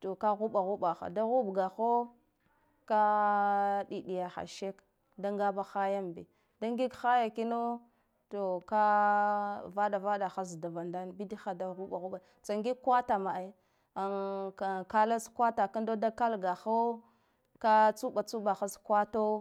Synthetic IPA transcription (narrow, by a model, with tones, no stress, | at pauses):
to˨ka˦ɣu˦ɓa˨ɣu˦ɓa˨xa̰˨da˦ɣu˦bɡa˨xo˦ | ka˦ | ɗi˨ɗi˨ja˨xa̰˨ʃe˦k | da˦ŋɡa˦ba˦xa˦ja˦mbḭ˨ | da˦ŋɡi˦ɡxa˦ja˨ki˦no˦ | to˨ka˦ | va˦da˨va˦da˨xa˦zda˨va˨nda˦nbi˦di˦xa˨da˦ɣu˦ɓa˨ɣu˦ɓa˨t͡sa˨ŋɡi˦ɡkwa˦ta˨ma˨a˦ | a˨a˨ka˦la˦skwa˦ta˨ka˦ndo˦da˦ka˦lɡa˨xa˦ | ka˦t͡su˦ɓa˨t͡su˦ɓa˨xa˦skwa˦to˦